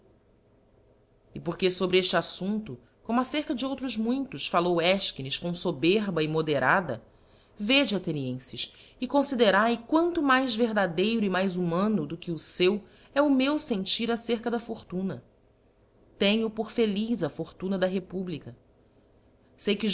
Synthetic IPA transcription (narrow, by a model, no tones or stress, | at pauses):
ɪpoɾkesobɾɪeʃt͡ʃɪasũnt̪ʊ | kõmʊaseɾkɐd͡ʒɪowt̪ɾʊzmũj̃t̪ʊʃfalowɛʃkinɪʃkõw̃sobeɾbɐɪmod̪eɾʔad̪ɐ̰ | ved͡ʒɪat̪eniẽsɪʃ | ɪkõsid̪eɾajkwɐ̃nt̪ʊmajzveɾd̪ad̪ejɾʊimajzumɐ̃nʊd̪ʊkɪʊsew | ɛʊmewsẽnt͡ʃiɾaseɾkɐd̪ɐfoɾt̪ũnɐ | t̪ẽɲʊpoɾfelizɐfoɾt̪ũnɐd̪ɐɦepublikɐ | sejkɪʒ